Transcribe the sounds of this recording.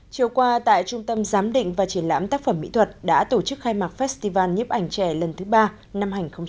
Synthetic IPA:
t͡ɕi˨˩əwkwaː˧t̪a̰ː˧˨jt͡ɕʊ˧ŋ͡mt̪ə˧mzaː˨˦mɗḭ̈˧˨ŋ̟vaː˨˩t͡ɕi˧˩ənla̰ː˧˥mt̪aː˦˥k̚fə˧˩mːḭ˧˥t̪ʰə˨˩t̚ɗa̰ː˧˥t̪o˧˩t͡ɕɨ˦˥k̚xaː˧jmaː˨˩t̚fɛ˦˥st̪i˧vaː˧nɲi˦˥p̚ʔa˧˩jŋ̟t͡ɕɛ˧˩lə˨˩nt̪ʰɨ˨˦ɓaː˧ | na˧mhaː˨˩ŋ̟xə˧wŋ͡m

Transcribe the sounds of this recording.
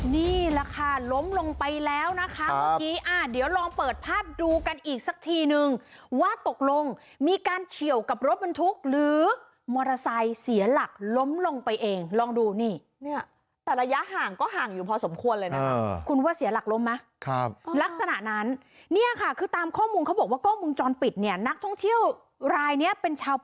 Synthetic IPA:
niː˥˩la˧kʰaː˥˧lo˦˥mlo˧ŋpa˧jlɛː˦˥wna˦˥kʰa˦˥aː˧kiː˦˥ʔaː˧˩di˩˦wɾɔː˧ŋpɤː˨˩t̪̚pʰaː˥˩p̚duː˧ka˧nʔiː˨˩k̚sa˨˦˩k̚t̪ʰiː˧nɯ˧ŋwaː˥˩t̪o˨˩k̚lo˧ŋ | miː˧kaː˧nt͡ɕʰi˨˩əwka˨˩p̚ɾo˦˥t̪̚ba˧nt̪ʰu˦˥k̚ɾɯː˨˩˦ | mɔː˧ɾa˧sa˧jsi˩˦ɐla˨˩k̚lo˦˥mlo˧ŋpa˧jʔeː˧ŋlɔː˧ŋduː˧niː˥˩ | ni˥˩ɐ | t̪ɛː˨˩ɾa˧ja˦˥ʔhaː˨˩ŋkɔː˥˩ɦaː˨˩ŋjuː˨˩pʰɔː˧so˩˦mkʰu˧ənlɤː˧jnaː˦˧kʰu˧nwaː˥˩si˨˩˦ɐla˨˩k̚lo˦˥mːa˦˥ | kʰa˦˥p̚ːla˦˥k̚sa˧na˨˩ʔna˦˥nː | i˥˩ɐkʰa˥˩kʰɯː˧t̪aː˧mkʰɔː˥˩muː˧nkʰa˦˥wbɔː˨˩kwaː˥˩kʰɔː˥˩muː˧nt͡ɕɔː˧npi˨˩t̪̚ni˥˩ɐna˦˥k̚t̪ʰɔ˥˩ŋt̪ʰi˥˩əw | ɾaː˧jni˦˥ɐpe˧nt͡ɕʰaː˧w

